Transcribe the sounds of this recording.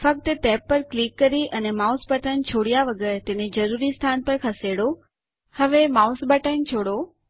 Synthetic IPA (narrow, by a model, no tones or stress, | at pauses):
fək̚t̪ət̪ɛpːəɾklikːəɾiʔənemasbəʈənt͡ʃʰoɽijaʋəɡəɾt̪ẽned͡ʒəɾuɾist̪ʰanpəɾkʰəseɽo | həʋemaʊsbəʈənt͡ʃʰoɽo